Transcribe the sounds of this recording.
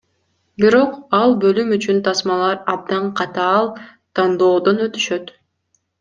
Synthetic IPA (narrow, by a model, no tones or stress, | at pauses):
biɾo̞qɑlˠbølymyt͡ʃynt̪ʰɑsmɑlˠɑɾɑb̚d̪ɑɴqʰɑt̪ɑːlˠ | t̪ʰɑnd̪o̞ːd̪o̞nø̞t̪y̥ʃøt̪